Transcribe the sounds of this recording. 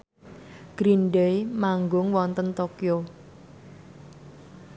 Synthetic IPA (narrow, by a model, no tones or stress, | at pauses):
ɡ̥ɾinɖejmaŋɡʊŋwɔnt̪ənt̪okio